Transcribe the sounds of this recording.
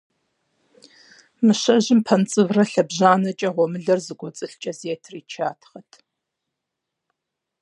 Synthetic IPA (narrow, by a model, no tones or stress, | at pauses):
mɨɕɐʑɪmpʰɐnt͡sʼɨvrɐɬɐbʑaːnɐt͡ʃʼɐʁʷɔmɨɮɐrzɨɡʷɔt͡sʼɨɬt͡ʃʼɐzeːtʰriːt͡ʃʰaːtʰχɐtʰ